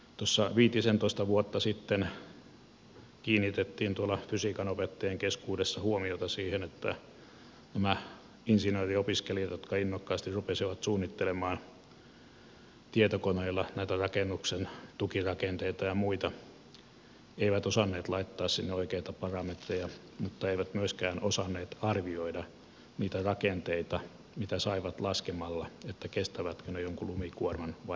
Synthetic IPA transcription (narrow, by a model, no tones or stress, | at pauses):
t̪osːɑʋiːt̪isent̪oist̪ɑʋuot̪ːɑsit̪ːen | kiːnːit̪et̪ːiːnt̪uolːɑfysikɑnopet̪ːejeŋkeskuːdesːɑhuomiot̪ɑsiːhenet̪ːæ | næmæ | insinøːriopiskeliɑt̪jot̪kɑinːokːɑːst̪irrupesiʋɑt̪suːnːit̪ːelemɑːn | t̪iet̪okoneilːɑnæit̪ærɑkenːuksent̪ukirɑkent̪eit̪ɑjɑmuit̪ɑ | eiʋæt̪osɑnːeːt̪lɑit̪ːɑːssinːeoikeit̪ɑpɑrɑmet̪rejɑ | mut̪ːɑeiʋæt̪myøskæːnosɑnːeːt̪ɑrʋioidɑ | niːt̪ærɑkent̪eit̪ɑ | mit̪æsɑiʋɑt̪lɑskemɑlːɑet̪ːækest̪æʋæt̪kønejoŋkulumikuormɑnʋɑ